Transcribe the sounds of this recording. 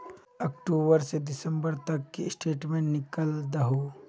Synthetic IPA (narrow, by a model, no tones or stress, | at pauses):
ɐk̚ʈuːbəɾseɖɪsə̃mbəɾt̪ɐkːḭsʈeːʈmẽnɪkəld̪ɐɦoː